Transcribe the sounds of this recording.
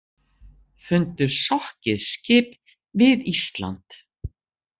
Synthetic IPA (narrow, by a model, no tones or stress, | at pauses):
fʏnt̪ʏɾ̥sɔhcɪðscɪːp | vɪðist̪la̰nt̪